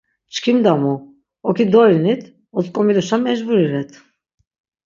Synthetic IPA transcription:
t͡ʃkʰimd̪amu | okʲid̪olinit̪ | ozkʼomid̪oʃammːɛd͡ʒbuɾiɾɛt̪ʰ

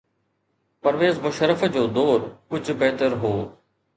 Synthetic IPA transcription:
pɐɾʋeːzmʊʃəɾəfd͡ʑoːd̪oːɾkʊd͡ʑʱbɛɦt̪əɾɦoː

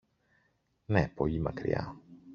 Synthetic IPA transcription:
nepo̞ʎimɐkɾḭɐ̰

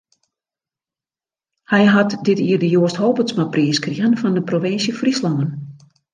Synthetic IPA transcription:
hɛjɦatdɪtiːərdəjoəsthoːpəsmapriəskriənfɔndəproʋɪnsjəfrislɔŋən

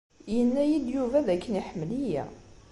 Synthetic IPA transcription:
jənːæjid̪juvæðækːəniħəmːlijæ̰

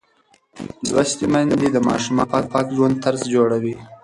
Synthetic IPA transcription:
zwa̰ʃt̪imand̪id̪əmɑ̰ʃumɑ̰pɑk̚pɑkʒwand̪̚t̪aɾzd͡ʒoɽawi

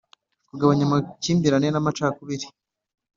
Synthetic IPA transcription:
kuɡaβaɲamaciːmbiɾanenamat͡ʃakuβiɾi

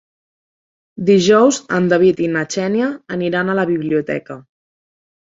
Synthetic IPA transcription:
d̪iʒɔwzə̰nd̪əβ̞it̪inət͡ʃɛnjəːniɾanələβiβliut̪ɛ̰kə

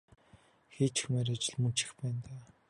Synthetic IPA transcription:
xeːt͡ɕxumeːɾat͡ɕɪ̆ɮmɵnt͡ɕɪ̥̆xpæːnt̪aː

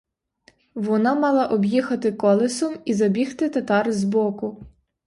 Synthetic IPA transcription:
ʋɔnɑmɑlˠɑʔɔbjixɐt̪ɪkɔlˠɪsɔmizɐbʲixt̪ɪt̪ɐt̪ɑrzbɔkʊ

